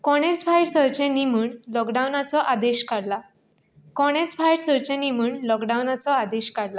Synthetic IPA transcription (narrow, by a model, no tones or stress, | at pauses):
kɔɽ̃et͡sbʱajɽsəɾt͡ɕẽnimuːɳlɔkɖawnat͡sɔʔad̪eɕkaɽla | kɔɽ̃et͡sbʱajɽsəɾt͡ɕẽnimuːɳlɔkɖawnat͡sɔad̪eɕkaɽla